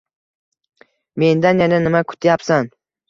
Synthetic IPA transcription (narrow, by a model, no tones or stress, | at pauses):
me̞nd̪anjananɪmakʰʊ̥t̪ʰjapsan